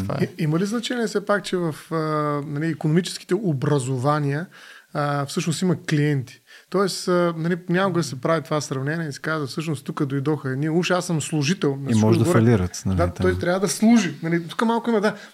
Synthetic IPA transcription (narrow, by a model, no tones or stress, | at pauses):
t̪va̰iimɐliznɐt͡ʃɛniɛfsɛpak̚t͡ʃɛvɐfənɐliːkonomit͡ʃɛ̥sk̟i̥t̪ɛobɾɐzovaniə | fsɤʃnosimɐkliɛnt̪i̥ | t̪ɔɛsənɐlinʲakoɡəd̪ɐsɛpɾavit̪ovasɾɐvnɛnʲiɛisi̥kazvɐfsɤʃnost̪ukəd̪ojd̪ɔxəɛniuʃɛasəmslˠuʒit̪ɛlˠnɐismɔʒd̪vɔɾliɾət̪nɐld̪at̪ɔjst̪ɾʲavəd̪ɐslˠuʒinɐlit̪u̥kəmalˠkʊimɐd̪a